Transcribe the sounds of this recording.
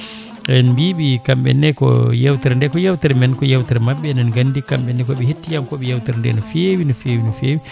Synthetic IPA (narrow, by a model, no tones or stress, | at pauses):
nbiɓikambɛ̰nːɛkɔ̰jawtɛɾndɛkɔjawtɛɾmɛnkɔjawtɛɾmaɓːɛnɛnɡanːdikamɓɛnːɛkɔɓɛhetːijamkɔɓɛjawtɛɾndɛ̰nɔfewinɔfewinɔfeːwi